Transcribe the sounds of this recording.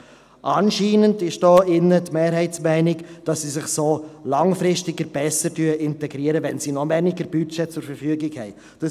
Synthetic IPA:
ʔɑnʃiːnəndɪʃd̥ɔːɪnːətmeːɾɦɛɪtsmɛɪnɪkd̥ɑsːisɪχsoːlɑŋfɾɪstɪɡəɾb̥ɛsəɾtyəʔɪntɛɡɾiəɾəʋɛnsinɔvɛniɡəɾb̥ytt͡ʃɛt͡sʊɾfəɾfyəɡɪkhɛɪ | d̥ə

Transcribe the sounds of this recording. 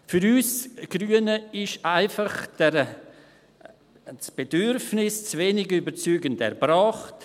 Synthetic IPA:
fyɾyːsɡ̥ɾyːənəɪʃaɪfɑχdɛɾ | sb̥edʏɾfnɪst͡sveːnɪɡybəɾt͡syːɡəndɛ̰ɾbɾaːχt

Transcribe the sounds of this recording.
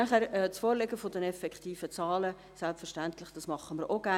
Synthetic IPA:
æχæːɾɛt͡sfoːɾleɡəfʊdɛnɛfɛkχtiːfət͡sɑːlə | sɛlpfɛɾʃtænt̪lɪχd̥ɑsmɑχːəməɾʔoɡæ

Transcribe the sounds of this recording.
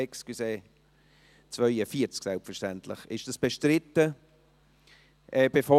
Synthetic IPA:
ɛksɡ̥yseː | t͡svœʏəfiːəɾt͡sksɛlpfəɾʃtɛntlɪ̰χɪ̰ʃd̥asb̥eʃtɾɪtːə | ʔɛːb̥efɔ

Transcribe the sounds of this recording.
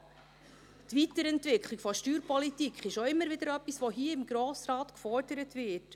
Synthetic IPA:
tvitəɾɛntvɪkχlikfɔʃtyːɾpɔlitikχɪʃoɪmːəɾvɪd̥əɾœpːisvʋoɦiːəɪmɡɾoːsɾɑːtkfɔrdəɾətvɪt

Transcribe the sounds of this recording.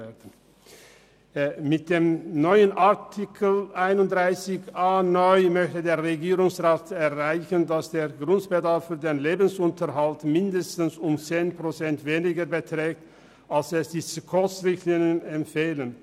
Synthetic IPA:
dn̩ | mɪt̚d̥eːmnɔʏənʔaɐtʰɪkʰəlʔaɪnʊntd̥ʁaɪsɪçʔaːnɔʏmœçtədeːɐʁeɡiːʁʊŋsʁaːtɛɐʁaɪçəndasd̥eːɐɡʁʊntb̥ədaɐfːyːɐdeːnleːbn̩sʊntʰɐɦaltmɪndəstn̩sʊmt͡seːnpʁ̥ot͡sɛntv̥eːnɪɡəbətʁ̥ɛːk̚t | ʔalsɛsd̥iːzəkʰɔstʁɪçtliːŋənɛmtfeːlən

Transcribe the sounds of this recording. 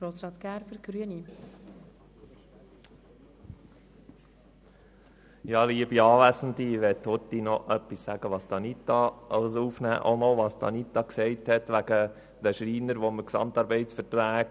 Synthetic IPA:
ɡ̥ɾoːsɾɑːt̪kæɾbəɾɡ̥ɾyəni | jɑːliəbiɑːʋæsən̩d̪iʋɛt̪hot̪ːinɔʔœpːisːæɡ̥əʋɑːst̪ɑnit̪ɑsuːfnæ̰ːʔonɔʋɑːst̪ʰɑ̰nit̪ːɑksɛɪthɛt̪ʋæɡ̥ə | d̥əʃɾiːnəɾʋoməksɑ̰mt̪ɑːɾbɛɪtsfəɾtɾæːk

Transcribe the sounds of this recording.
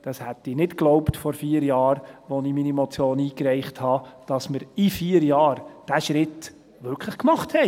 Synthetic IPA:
d̥ɑshæt̪ɪnɪtkloʊptfɔɾfiːəɾjɑːɾʋɔniminiemɔt͡sjoːniːkɾɛɪχthɑd̥ɑsməɾifiːəɾjɑːɾd̥æʃɾɪt̪ | ʋʏɾkʰləχkmɑχthɛ

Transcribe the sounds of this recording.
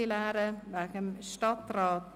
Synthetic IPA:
ɪlæːɾəʋækəmst̪ɑt̪ɾɑːt̪

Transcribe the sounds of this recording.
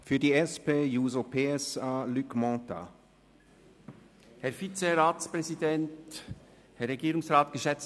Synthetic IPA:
fyːɐdiːɛspeːjuːzopʰeːɛsaːlykmɑt̪a̰ | hɛɐfit͡seʁaːtspʁɛzidɛnt | hɛɾːeɡiːɾʊŋsʁaːtɡ̥əʃɛt͡s

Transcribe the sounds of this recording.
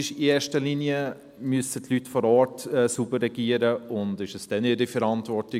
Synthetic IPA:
ɪʃieːʃtəliniə | myəsətʰlytfɔɾɔːɾtɛːsubərːɛɡ̥iːəɾəʊndɪʃəsd̥ɛnɪɾifəɾɑntʋɔɾti

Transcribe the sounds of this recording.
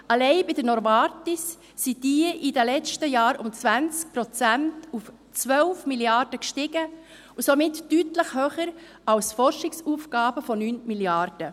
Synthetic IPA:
ɑlɛɪbɪd̥ənɔɾvɑɾtisː | id̥iəʔidəlɛt͡stəjɑːɾʊmt͡sʋænt͡sk̚pɾɔt͡sæntuf | t͡sʋœlfmiliɑɾd̥əkʃtɪɡə | usɔmɪtːytləχhøːχəɾ | ɑwsfɔrʃɪksuːfɡ̥ɑːb̥əfɔnyːnmiljɑrd̥ə

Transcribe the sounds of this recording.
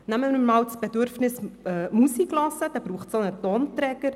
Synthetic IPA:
næmənumɑːwt͡sb̥edøɾfnɪsœːmusiklɑsəd̥ɑb̥ɾuːχtsonətoːntɾɛɡ̥əɾ

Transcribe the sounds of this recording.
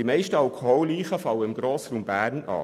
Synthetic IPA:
d̥imɛɪʃtəɑlkʰoɦɔliːχəfɑwəɪmɡɾoːsɾuːmbæːɾnɑ̰ː

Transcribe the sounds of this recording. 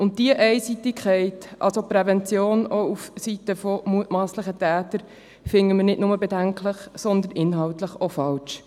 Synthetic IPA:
ʊnt̚d̥iəʔɛɪsitɪkχɛɪtʔɑ̰lsopɾɛvɛnt͡sjoːnoufsitəfomuətmɑːsləχətæːtəɾ | fɪŋəmənɪdnʊməbedæŋkʰləχsɔnd̪ənʔɪnɦɑwtləχofɑlʃ

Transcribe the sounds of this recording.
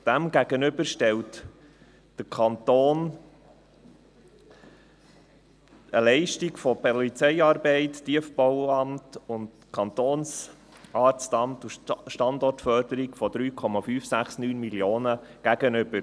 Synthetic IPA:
d̥æmɡæɡ̥ənʏbəɾʃtɛlt | d̥əɾkʰɑnt̪oːn | əlɛɪʃtiɡfɔpɔlit͡sɛɪɑːɾbɛɪttiəfbɔwɑmtʊnd | kʰɑnt̪oːns | ʔɑːɾt͡st̪ɑmtuʃtɑnd̪ɔrtfœɾd̥əɾikfɔd̥̪ɾyːkʰɔmɑfyːfsæχsnyːnmiljoːnəɡ̥æɡ̥ənʏbəɾ

